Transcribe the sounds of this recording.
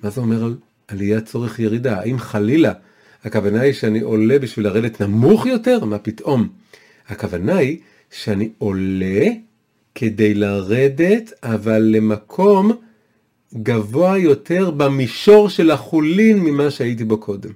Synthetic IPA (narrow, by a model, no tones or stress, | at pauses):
mazeo̞me̞ʁal | alijat͡so̞ʁeχje̞ʁidaaimχalila | hakavanaiʃeaniʔo̞le̞biʃvilaʁe̞detnamuχjo̞te̞ʁmapitʔo̞m | hakavanai | ʃeanio̞le̞ | kʰe̞de̞jlaʁe̞de̞tavalːe̞makʰo̞m | ɡavo̞ajo̞tʰe̞ʁbamiʃo̞ʁʃe̞laχulinmimaʃeait̬ibo̞kʰo̞dem